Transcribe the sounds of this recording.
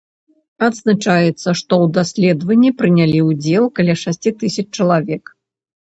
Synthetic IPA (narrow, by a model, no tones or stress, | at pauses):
ɐd̪znat͡ʂajɛt̪sːɐʂt̪ɔwd̪asʲlʲɛd̪vɐnʲːipɾɨnʲalʲiwd͡zʲɛlˠkalʲaʂasʲt͡sʲit̪ɨsʲɐt͡ʂt͡ʂɐlˠavʲɛk